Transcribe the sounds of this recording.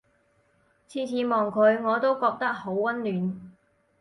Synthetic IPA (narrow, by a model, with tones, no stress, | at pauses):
t͡sʰiː˥t͡sʰiː˨˥mɔː˨ŋkʰɵ˨˧ɥŋɔː˨˧t̪o˥wkɔː˧k̚t̪ɐ˥k̚ho˨˥wwɐ˥nlyː˨˧n